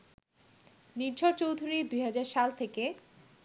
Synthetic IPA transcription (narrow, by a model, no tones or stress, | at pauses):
niɾd͡ʑoɾt͡ɕowd̪ʱuɾid̪ujɦad͡ʑaɾʃalt̪ʰeke